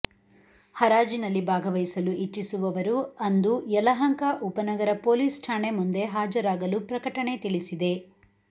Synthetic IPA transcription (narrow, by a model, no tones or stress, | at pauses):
hɐɾaːd͡ʒinɐlːibʱaːɡɐʋɐjsɐluʔit͡ʃːisuʋɐʋɐɾuɐnd̪ujɛlɐɦɐŋkaʔupɐnɐɡɐɾɐpo̞ːliːsʈʰaːɳe̞mund̪e̞ɦaːd͡ʒɐɾaːɡɐlupɾɐkɐʈɐɳe̞t̪iɭisid̪e̞